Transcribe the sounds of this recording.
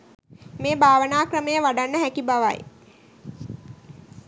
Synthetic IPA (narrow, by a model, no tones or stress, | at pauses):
meːbʱaːʋənaːkrəməjəʋaɖanːəɦækibaʋa̰j